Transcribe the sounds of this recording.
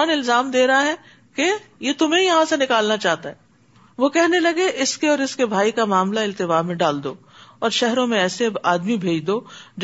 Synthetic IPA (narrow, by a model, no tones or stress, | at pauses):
nɪlzaːmd̪eːɾɐɦaɦɛ | kejet̪ʊmɦẽjɐɦãsenɪkaːlnat͡ʃaːɦt̪aɦɛː | ʋokɛɦnelɐɡeʔɪskeɔːɾɪskebʱaːikamaːmlaɪlt̪ɪbaːmẽɖaːld̪oː | ɔːɾʃɛɦɾõmẽɛːseaːd̪mibʱeːd͡ʒd̪od͡ʒ